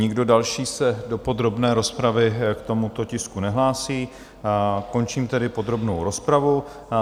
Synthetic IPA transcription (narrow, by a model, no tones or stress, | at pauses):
ɲɪɡdo̞dalʃiːsɛdo̞po̞d̪ɾo̞bnɛːɾo̞spɾavɪkt̪o̞mut̪o̞cɪskunɛɦlaːsiː | ko̞nt͡ʃiːmt̪ɛdɪpo̞d̪ɾo̞bnowɾo̞spɾavu